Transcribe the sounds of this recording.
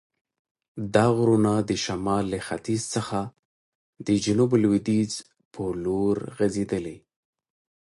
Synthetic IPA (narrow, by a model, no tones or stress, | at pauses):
d̪ɑɣɾunad̪əʃamɑlːəxa̰t̪izsəxa | d̪̥əd͡ʒʊnublwid̪iz | pʰəloɾɣazed̪əle